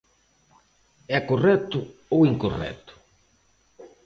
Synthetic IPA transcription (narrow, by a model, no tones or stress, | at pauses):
ɛkorɛt̪ʊowiŋkorɛ̰t̪ʊ̥